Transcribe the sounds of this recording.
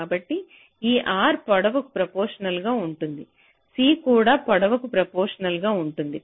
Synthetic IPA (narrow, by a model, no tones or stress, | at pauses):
aːbɐʈːi | iːʔaːɾpɐɽɐʋɐku̥pɾɐpoːɾʂɐnɐlɡaːuɳʈund̪i | siːkuːɽaːpɐɽɐʋɐkupɾɐpoːɾʂɐnɐlɡaːuɳʈund̪i